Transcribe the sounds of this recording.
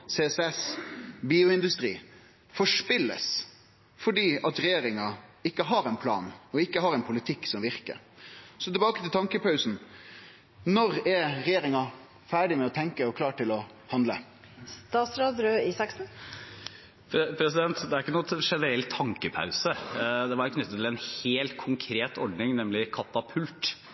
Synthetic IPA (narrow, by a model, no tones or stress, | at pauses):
seːsɛsbiːʊɪnd̪ʉst̪ɾḭː | fɔʂpɪlːə̰s | fɔɖiːɑt̪ɾɛjeːɾɪŋɑɪkːəɦɑɾɛnpʰlɑ̰ːnɔɪkːəhɑɾɛnpʰʊlɪt̪ʰɪkːsɔmʋɪɾkə̰ɾsɔt̪ʰɛbɑːkət̪ʰɪlt̪ʰɑŋkəpɑʉsn̩ | nɔɾɛɾɾɛjeːɾɪŋɑ | fæːɖɪmɛɔt̪ʰɛŋkəɔkʰlɑːʈɪlɔ | hɑnd̪lə̰ | st̪ɑːt̪sɾɑːd̪ɾøːisɑksn̩ | pʰpʰɾɛs̬ɪd̪ɛnt̪d̪ɛæɾɪkːənuːɛt̪ʂɛnəɾɛlt̪ʰːɑŋkəpʰa̰ʉsəd̪ɛʋɑɾkʰnʏt̪ːət̪ʰːɪlɛnheːlt̪kʰʊŋkʰɾeːt̪ɔɖnɪŋnɛmlɪkʰɑt̪ɑpʰʉlt̪